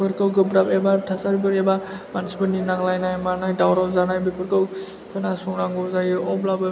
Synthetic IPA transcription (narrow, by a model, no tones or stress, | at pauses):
pʰɯɾkɯwɡɯbɾapɛbatʰasaɾibɯɾɛbamansibɯninaklajnajmanajdawɾɔzanajbepʰɯɾkɯw | kʰɯnasɔŋɾaŋɡɔzajɯɔblabe